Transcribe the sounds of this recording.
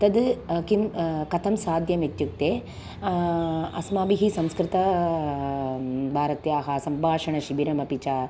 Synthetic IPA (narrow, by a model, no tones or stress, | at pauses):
t̪ɐd̪kimkɐt̪ʰɐmsaːd̪ʱjɐmet̪juk̚t̪eː | ɐ̰smaːbiɦisɐmskɾɪt̪ɐ | bʱaːɾɐt̪jaːɦaːsɐmbʱaːʂɐɳɐʃibiɾɐmɐpit͡ʃaː